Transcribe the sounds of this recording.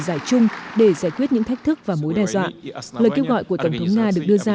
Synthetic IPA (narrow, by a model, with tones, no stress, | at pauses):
zaː˧˩jt͡ɕʊ˧ŋ͡mɗe˧˩zaː˧˩jkwi˦˥ət̚ɲɨ̰˧˥ŋt̪a˦˥k̟̚t̪ʰɨ˦˥k̚vaː˨˩mo˨˦jɗaː˧˩jzwa̰ː˧˨ləː˨˩jke˧wɣɔ̰˧˨jku˧˩ət̪ə˧˩ŋ͡mt̪ʰə˨˦wŋ͡mŋaː˧ɗɨ˨˩ək̚ɗɨ˧əzaː˧